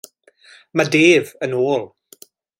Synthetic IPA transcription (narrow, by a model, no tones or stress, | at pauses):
madeːvənoːlˠ